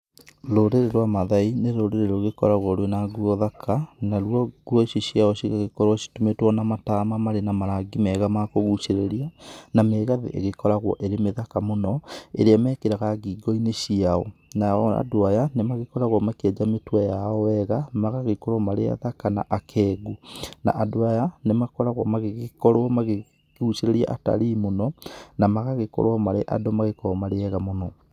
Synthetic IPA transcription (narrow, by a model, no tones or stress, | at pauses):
loɾeɾeɾwamaðaineɾoɾeɾeɾoɣekɔɾaɣwɔɾwenaɡuɔðakʰanaɾwɔɡuɔioɕiaɔɕiɣaɣekɔɾwɔɕi̥tumetwɔnamatamamaɾenamaɾaɡimɛɣamakoɣuʃeɾeɾianameɣaðḛʔḛɣekɔɾaɣwɔ̰ʔeɾemeðakamonɔḛɾeamɛkeɾaɣaɣiːɡɔineɕiaɔnaa̰doajanemaɣekɔɾaɣwɔmakeɛd͡ʒametwajaɔwɛɣamaɣaɣekɔɾwɔmaɾea̰ðakana̰ʔakʰɛːɡuna̰ʔadoajanemakɔɾaɣwɔmaɣeɣekɔɾwɔmaɣe | ɣut͡ʃeɾeɾia̰ʔata̰ɾiːmonɔnamaɣaɣekɔ̰ɾwɔmaɾeʔa̰domaɣekɔɾɔmaɾeɛɣamonɔ